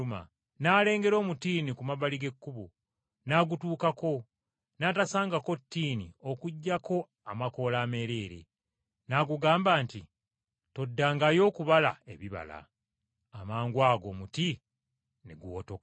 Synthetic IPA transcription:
uma̰ | naːle̞ːŋɡe̞ɾo̞ːmutiːnikumaβaliɡe̞kːuβu | naːɡutuːkako̞ | naːtasaːŋɡako̞tːiːnḭo̞kuɟːako̞ | amako̞laːme̞ːɾe̞ːɾe̞̰ | naɡuɡaːmbaːnti | to̞dːaːŋɡajo̞ːkuβala̰e̞̰βiβa̰la̰ | amaːŋɡwaːɡo̞ːmuti | neɡuwotok

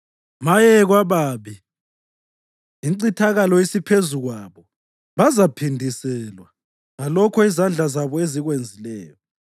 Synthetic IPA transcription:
majɛɣwaβaːβi | ǀitʰaɣalɔjisipʰezuɣwaβɔ | βazapʰindʱisɛlwa | ɣalɔkʰɔizand͡ɮʱazaβɔeziɣwend͡zʱilɛ̰ːjɔ

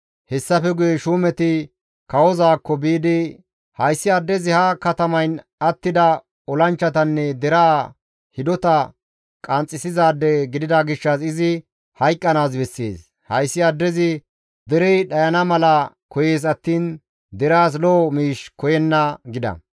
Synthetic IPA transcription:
hɛsːɐfɛɡʊjɛʃuːmɛt̪ɪ | kɐwɔzaːkːɔbiːd̪ɪ | hɐjsːɪɐd̪ːɛzɪhɐkɐt̪ɐmɐjn | ɐt̪ːɪd̪ɐ | ɔlɐnt͡ʃːɐt̪̬ɐnːɛd̪ɛɾaː | hɪd̪ɔt̪ɐ | kʼɐnt͡sʼːɪsɪzaːd̪ːɛɡɪd̪ɪd̪ɐɡɪʃːɐsɪzɪ | hɐjkʼːɐnaːsbɛsːḛːs | hɐjsːɪɐd̪ːɛzɪ | d̪ɛɾɛjɗɐjɐnɐmɐlɐ | kɔje̞ːs̬ɐt̪ːiːn | d̪ɛɾaːs̬loːmiːʃkɔjɛnːɐɡɪd̪ɐ̰

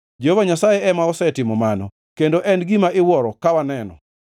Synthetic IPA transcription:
d͡ʒeovaɲasajeɛmaɔsɛtɪmɔmanɔ̰ | kendoʔɛnɡimaʔɪwɔɾɔkawanɛnɔ̰

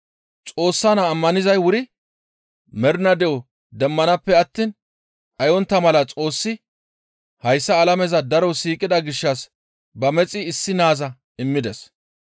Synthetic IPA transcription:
t͡sʼo̞ːsːɐnɐːmːɐnɪzɐjwʊɾɪ | mɛɾnɐd̪ɛʔɔ | d̪ɛmːɐnɐpːɛɐt̪ːiːn | ɐjɔnt̪ːɐmɐlɐt͡sʼo̞ːsːɪ | hɐjsːɐːlɐmɛzɐd̪ɐɾɔsiːkʼɪd̪ɐɡɪʃːɐs | bɐmɛt͡sʼɪːsːɪnaːzɐ | ɪmːɪd̪ɛs

